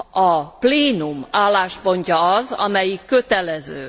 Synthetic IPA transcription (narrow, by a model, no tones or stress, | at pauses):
ɒpleːnumaːlːaːʃpo̞ɲcɒɒzɒ̰mɛjikːø̞t̪ɛlɛzø̰ː